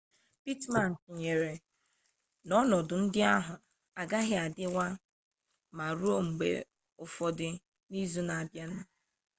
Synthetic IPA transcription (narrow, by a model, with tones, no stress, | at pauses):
pi˦tma˨n̩˨tɲe˨ɾe˨ | nɔ˦nɔ˨dʊ˨n̩˦dɪ˦a˦ɦʊ˨ | a˨ɡa˦ɦɪ˦a˨dɪ˦wa˦ | ma˨ɾu˦o˦ŋ͡m̩˨ɡ͡bḛ˨ | ʊ˨fɔ˨dɪ˦ | ni˦zu˦na˨a˨bja˦nʊ˦